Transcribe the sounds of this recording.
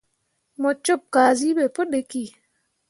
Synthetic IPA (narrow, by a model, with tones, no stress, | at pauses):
mɔ˨t͡ʃːo˦p̚kaː˨zi˦ɓɛ˨po˦ɗe˦ki˦˨